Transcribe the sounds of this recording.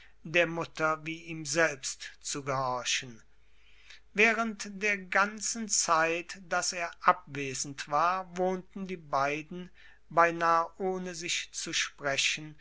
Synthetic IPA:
deːɐmʊtɐviːiːmzɛlpstt͡suɡəhɔɐʃən̩ | vɛːʁəntd̥eːɐɡant͡sn̩t͡saɪtd̥aseːɐʔap̚v̥eːzn̩tv̥aːɐvoːntn̩diːbaɪdn̩ | baɪnaːʔoːnəzɪçt͡suʃpʁ̥ɛʃən

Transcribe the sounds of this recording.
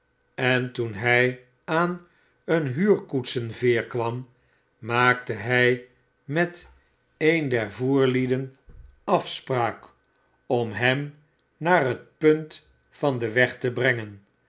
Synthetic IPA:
ɛntunɦɛj | aːn | ənɦyːɹkutsənvɪːɹkʋɑm | mːaːk̚təɦɛj | mɛt | ejndɛɹvuːɹlidənɑfspraːk | ɔmɦɛm | naːrɦət̚pɵnt | fɑndəʋɛχtəbrɛŋən

